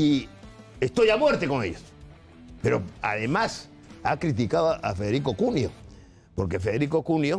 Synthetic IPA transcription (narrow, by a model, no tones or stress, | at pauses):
i | est̪ojamwe̞ɾt̪ekoŋe̞̰ʎos | peɾoa̰ðe̞mas | a̰kɾit̪̬ikaðoa̰feðe̞ɾikokunjo̞ | po̞ɾke̞feðeɾiko̞kunjo